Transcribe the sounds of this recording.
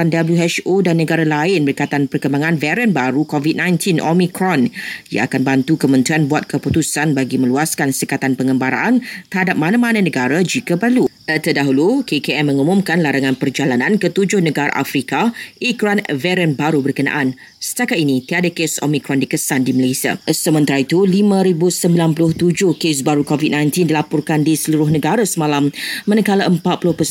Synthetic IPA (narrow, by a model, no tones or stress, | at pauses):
andabəljuɦɛt͡ʃodanːəɡaɾalaɪnbəɾkat̪anpərkəmbaŋãnvɛɾənbaɾukɔvit̪̚nãjnt̪inʔo̰mikɾɔnja̰akanbant̪ukəmə̃nt̪ɾianbuat̪̚kəput̪usanbaɡimə̃luaskansəkat̪anpəŋəmbaɾa̰ʔant̪ərhadap̚mãnãmãnãnə̃ɡaɾad͡ʒikapərluʔət̪ədaɦulukekeɛmːə̃ŋumũmkanlaɾaŋãnpərd͡ʒalanãnkət̪ud͡ʒʊhnəɡaɾa̰ʔa̰fɾikaikɾanvɛɾənbaɾubərkəna̰ʔan | sə̥t̪akat̪̚inĩt̪iadakeso̰mikɾɔndikəsandiməlajsia̰səmə̃nt̪aɾait̪ulimãɾibusəmbilanpulʊht̪ud͡ʒʊhkes̬baɾukovit̪̚nãjnt̪indilapɔrkandisəluɾʊhnəɡaɾasəmalammanəkalaʔəmpat̪̚pulʊhpəs